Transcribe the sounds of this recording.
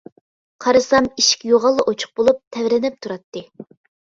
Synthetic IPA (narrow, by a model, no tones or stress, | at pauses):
qʰɑɾɨsɑmiʃi̥kʲjoʁɑlˠːɨʔot͡ʃʰʊ̥q̚bolˠup̚t̪ʰɛvɾɪnɪp̚t̪ʰuɾɑt̪ːɨ